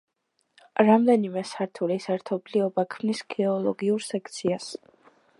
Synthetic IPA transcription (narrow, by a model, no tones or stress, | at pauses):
ɾamd̪ɛnimɛsaɾt̪ʰulisɛɾt̪ʰɔbliɔbakʰmnisɡ̥ɛɔlˠɔɡiuɾsɛkʰt̪sʰias